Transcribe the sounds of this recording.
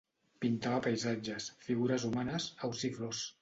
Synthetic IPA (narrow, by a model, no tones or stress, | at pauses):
pint̪aβəpəjzad͡ʒəsfiɣuɾəzumanəsəwsiflos